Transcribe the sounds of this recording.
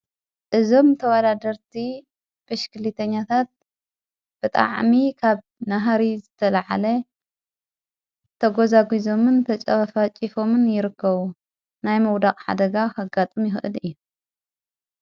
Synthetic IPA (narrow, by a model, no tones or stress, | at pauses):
ʔɨzo̞mt̪ʰɐwad̪ad̪ɐɾt̪ʰi | bɨʃkʰɨlit̪ʰɐɲːat̪ʰat̪̚ | b̥ɨt̪ʼa̰ʕmikʰaβ | naɦaɾizɨt̪ʰɐlaʕa̰lɐ | t̪ʰɐɡo̞zaɡizo̞mɨnt̪ʰɐt͡ʃʼɐβfat͡ʃʼifo̞mɨnjɪɾɨkʰːɐβu | najmɐwd̪aχʼħa̰d̪ɐɡaxɐɡat̪ʼɨmjɪxʔɨ̰lɨjːu